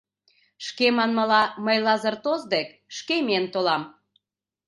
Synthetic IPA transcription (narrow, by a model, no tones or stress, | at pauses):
ʃkemɑnməlɑməjlɑzərt̪ozd̪ek | ʃkement̪olɑm